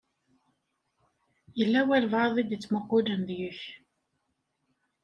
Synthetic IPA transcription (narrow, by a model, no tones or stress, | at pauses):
jəlːæwælvaðˤid̪it͡sːməqːʊlənðjuç